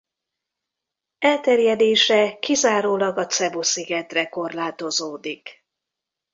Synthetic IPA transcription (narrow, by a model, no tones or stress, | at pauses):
ɛlt̪ɛrjɛd̪eːʃɛkizaːɾoːlɒɡɒt̪sɛbosiɡɛt̪rɛko̞rlaːt̪o̞zoːd̪ik